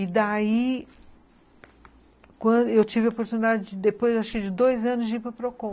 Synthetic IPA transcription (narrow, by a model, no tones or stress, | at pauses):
ɪd̪ai | kwɐ̃d̪ʊewt͡ʃivɪopoɾt̪unid̪ad͡ʒɪd͡ʒɪd̪epojzaʃʊ̥kɪd͡ʒɪd̪ojzɐ̃nʊzd͡ʒɪipɾɐpɾokõ